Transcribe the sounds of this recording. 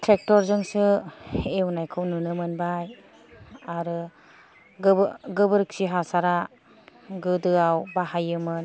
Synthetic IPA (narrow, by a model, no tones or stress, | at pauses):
tʰɾek̚tɔɾzɯŋsɯewnajkʰɯwnunɯmɯnbaj | aɾɯ | ɡɯbɡɯbɯɾɯk̚siɦasaɾa | ɡɯdɯawbaɦajɯmɯn